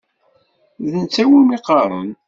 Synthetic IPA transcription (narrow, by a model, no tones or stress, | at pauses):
ðənt͡sːæwimiqɑɾˤə̰n